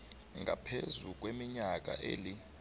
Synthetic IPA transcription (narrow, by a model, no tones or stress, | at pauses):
ŋɡʱa̰pʰezuk̬wemiɲak̬a̰ʔeːli